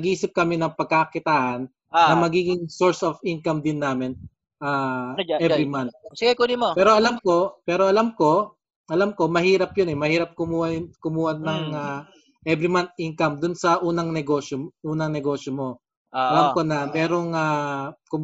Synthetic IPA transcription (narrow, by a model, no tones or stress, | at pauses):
nɐɡʔiːsɪp̚kɐmɪnɐŋpɐɡ̚kakɪt̪aːʔɐnː | ɐmɐɡiːɡɪŋsoɹsofʔinkɐmd̪ɪnːaːmɪn | ʔaːʔɛɾimant̪̚sɪɡɐjkonɪmopɛːɾoʔɐlamko̞pɛːɾo̞ʔɐlamko̞ | ʔɐlamko̞mɐhiːɾɐp̚jʊnɛmɐhiːɾɐp̚kʊmuːhɐkʊmuːhɐnːɐŋa | ʔɛbɾɪmant̪̚ʔinkɐmd̪ʊnsɐʔuːnɐŋnɛɡoːʃoʔuːnɐŋnɛɡo̞ːʃjomo̞ | ʔɐlamko̞nɐmɛːɾo̞ŋaːkʊm